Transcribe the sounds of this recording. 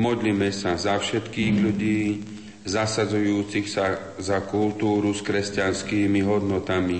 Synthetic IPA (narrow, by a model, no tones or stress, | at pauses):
mɔd̪limɛsazafʃɛt̪kiːɣʎuɟiː | zasad͡zujuːt͡sixsa | zakult̪uːɾuskɾɛscanskiːmiɦɔd̪nɔt̪ami